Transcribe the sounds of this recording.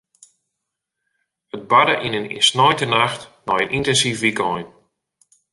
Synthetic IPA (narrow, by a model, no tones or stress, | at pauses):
ət̚badəʔinənsnɔjntənaxtnɔjənʔintɛnsifʋikɔjn